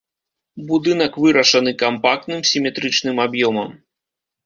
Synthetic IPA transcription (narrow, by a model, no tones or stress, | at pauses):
bud̪ɨn̪ɐkvɨɾɐʂɐnɨkampak̚t̪nɨmsʲimʲɛt̪ɾɨt͡ʂnɨmabjɔmɐm